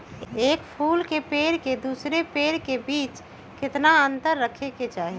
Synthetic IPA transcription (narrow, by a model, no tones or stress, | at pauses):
eːkpʰuːlkepeːɾked̪uːsɾepeːɾkebiːt͡ʃ | kɪt̪naənt̪əɾːəkʰeket͡ʃaːɦe